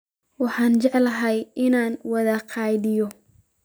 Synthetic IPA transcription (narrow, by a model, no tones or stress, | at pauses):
wɑħɑːnt͡ʃɛʕlɐɦɐjʔɪnaːnwɐðɐqʰɑjðɪjɔ